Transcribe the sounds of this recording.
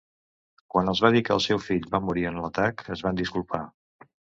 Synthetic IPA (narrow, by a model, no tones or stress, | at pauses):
kwanəlˠzβaðikəːlˠsɛwfiʎbamuɾiənlət̪akəzβand̪iskulˠpa